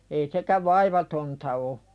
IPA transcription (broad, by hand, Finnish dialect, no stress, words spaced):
ei sekæʋ ʋɑiʋɑtontɑ o